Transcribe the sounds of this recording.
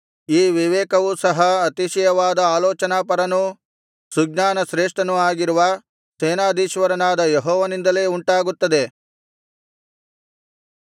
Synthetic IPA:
iːʋiʋɛːkɐʋuːsɐɦɐɐt̪iʃɐjɐʋaːd̪ɐaːlɔːt͡ʃɐnaːpɐɾɐnu | suɡnaːnɐʃɾeːʂʈɐnuaːɡiɾuʋɐ | seːnaːd̪iːʃʋɐɾɐnaːd̪ɐjeɦɔːʋɐnind̪ɐle̞ːuɳʈaːɡut̪ːɐd̪e̞

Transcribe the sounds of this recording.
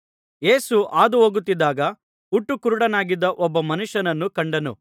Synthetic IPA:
e̞ːsuʔaːd̪uɦoːɡut̪ːid̪aːɡɐ | uʈːukuɾuɽɐnaːɡid̪ːɐʔɔbːɐmɐnuʂɐnɐnːukɐɳɖɐnṵ

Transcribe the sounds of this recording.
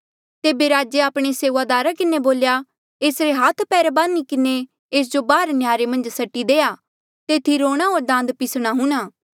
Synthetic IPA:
t̪eːbeɾaːd͡ʒeaːpɽ̃eseːʋad̪aːɾakɪneboːlja | eːsɾeɦaːt̪ʰpɛːɾbaːnikɪne | eːs̬d͡ʒobaːɾnjaːɾemɐ̃nd͡ʒsɐʈːid̪eːja | t̪eːt̪ʰiɾoːɽ̃aɦoːɾɖ̪ãːnd̪pɪsɽ̃aɦʊ̃ɽ̃aː

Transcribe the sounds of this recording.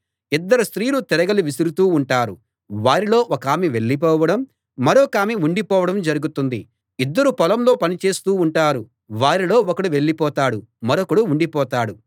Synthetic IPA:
id̪ːɐɾust̪ɾiːlut̪iɾɐɡɐliʋisiɾut̪uːɳʈaːɾu | ʋaːɾilo̞ːʔɔkaːmiʋe̞ɭːip̬ɔːʋɐɽɐmː | ɐɾo̞ːkaːmiuɳɖipɔːʋɐɽɐmd͡ʒɐɾuɡut̪und̪i | id̪ːɐɾupɐlɐmlo̞ːpɐnit͡ʃeːst̪uːuɳʈaːɾu | ʋaːɾilo̞ːɔkɐɽuʋe̞ɭːipɔːt̪aːɽumɐɾokɐɽuuɳɖipɔːt̪aːɽu

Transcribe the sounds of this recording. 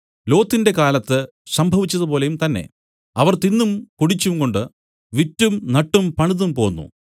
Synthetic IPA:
lo̞ːt̪ːinde̞kaːlɐt̪ːɨ | sɐmbʱɐʋit͡ɕːɐðɨpo̞ːle̞jumt̪ɐnːe̞̰ | ɐʋɐrt̪inːumkuɽit͡ɕːumko̞ɳɖɨ | ʋitːumnɐʈːumpɐɳiðumpo̞ːnːṵ

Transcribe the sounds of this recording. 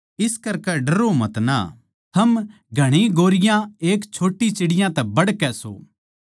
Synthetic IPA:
ɪskɐɾkɛɖɐɾomɐt̪na̰ | t̪ʰɐm | ɡʱɐɽ̃iɡoːɾɪjãeːkt͡ʃʰoːʈːit͡ʃɪɽɪjãt̪ɛbɐɽkɛso̰ː

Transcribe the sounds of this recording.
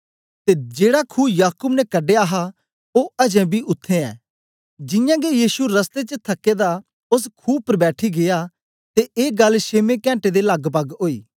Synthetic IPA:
t̪ed͡ʒeːɽakʰuːjaːkʊbnɛkɐɖeɐɦa | oɐd͡ʒɛ̃bʱiʔʊt̪ʰːẽɛ̰̃ː | d͡ʒɪjãɡejiːsuɾɐst̪et͡ʃət̪ʰɐkːed̪a | ʊs̬kʰuːpəɾbɛːʈʰiɡeja | t̪eʔeːɡɐlːʃeːmekɛ̃ːɳʈed̪elɐɡpɐɡoːiː

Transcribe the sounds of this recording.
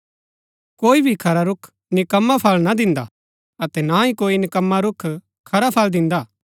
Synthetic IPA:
koːibʱikʰɐɾaɾʊkʰ | nɪkɐmːapʰɐːlnad̪ɪ̃nd̪a̰ | ɐt̪ɛnãĩkoːinɪkɐmːaɾʊkʰ | kʰɐɾapʰaːld̪ɪ̃nd̪aː

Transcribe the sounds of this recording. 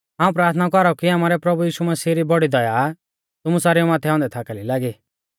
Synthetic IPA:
ɦaːũpɾaːɾt̪ʰnakɔɾɔkiaːmaːɾɛpɾɐbujiːʃumɐsiːɾibɔɽid̪ɔja | t̪ʊmusaːɾijɔmaːt̪ʰɛãːnd̪ɛt̪ʰaːkalilaːɡiː

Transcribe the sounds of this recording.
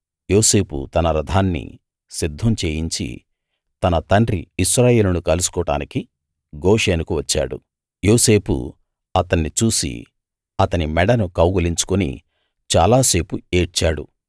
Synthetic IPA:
jo̞ːse̞ːpṵt̪ɐnɐɾɐd̪ʱaːnːḭ | sid̪ʱːɐmt͡ʃe̞ːjiɲt͡ʃḭ | t̪ɐnɐt̪ɐɳɖɾiːʃɾaːje̞ːlunukɐlusu̥kɔːʈa̰ːniki | ɡo̞ːʂeːnukuʋɐt͡ʃːa̰ːɽṵ | jo̞ːse̞ːpṵ | ɐt̪ɐnːit͡ʃuːsḭ | ɐt̪ɐnimɛɽɐnukɐwɡuliɲt͡ʃu̥kunḭ | t͡ʃa̰ːlaːse̞ːpue̞ːt͡ʃːaːɽṵ

